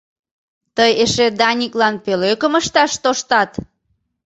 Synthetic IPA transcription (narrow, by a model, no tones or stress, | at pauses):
t̪əjeʃed̪ɑnʲiklɑnpøløkəməʃt̪ɑʃt̪oʃt̪ɑt̪